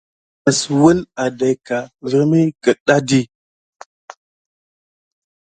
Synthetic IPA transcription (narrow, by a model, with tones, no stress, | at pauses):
ə˨swə˦la˨da˨jka˨və˦ɾmi˦kə˨ɗa˦di˦